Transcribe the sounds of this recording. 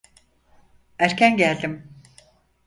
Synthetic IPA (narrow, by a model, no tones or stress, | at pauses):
æɾcʰænɟælʲd̪im